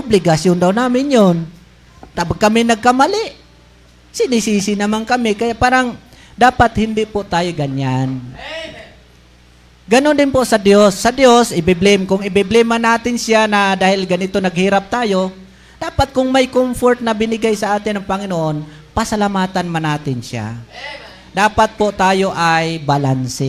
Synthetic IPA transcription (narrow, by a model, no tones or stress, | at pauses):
ʔʊblɪɡɐsjond̪awnaːmɪnjon | t̪abaɡ̚kːɐmɪnɐɡ̚kɐmalɪʔ | sɪnɪsiːsɪnɐmankɐmɪkɐjaʔpaːɾaŋ | d̪aːpat̪hɪnd̪ɪʔpʊʔt̪aːjoɡaɲan | ɡɐnond̪ɪnpoʔsɐd̪josːɐd̪josʔɪbɪblɪmkʊŋɪbɪblɪmanaːt̪ɪnsjanɐd̪aːhɪlɡɐnɪt̪o̞nɐɡhiːɾap̚t̪aːjo̞ | d̪̥aːpat̪̚kʊŋmɐjkomfoɾt̪̚nɐbɪnɪɡajsɐʔaːt̪ɪnɐŋpɐŋɪnoʔo̞n | pɐsɐlamaːt̪anmanaːt̪ɪnʃa̰ | d̪aːpat̪̚poʔt̪aːjo̞ʔajbɐlansɪ